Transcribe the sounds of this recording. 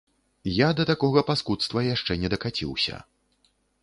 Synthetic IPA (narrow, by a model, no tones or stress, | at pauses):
jad̪ɐt̪akɔɣɐpaskut̪st̪vɐjaʂt͡ʂɛnʲɛd̪ɐkat͡sʲḭwsʲɐ̰